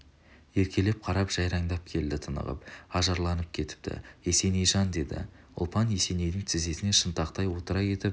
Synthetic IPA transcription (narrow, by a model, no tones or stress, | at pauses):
je̞ɾkʲe̞le̞p̚qʰɑɾɑpʒ̥ɑjɾɑŋd̪ɑp̚kʲʰe̞ld̪ɪt̪ʰənə̰ʁə̰pɑʒɑɾlˠɑnəp̚kʲʰe̞t̪ɪ̥p̚t̪ʰɪ̰e̞se̞nejʒɑnd̪e̞d̪ɪ̰ | ʊ̰lˠpɑne̞se̞ne̞jd̪ɪŋt̪ʰɪze̞sɪne̞ʃənt̪ɑqt̪ɑjwo̞t̪əɾɑje̞t̪ɪp̚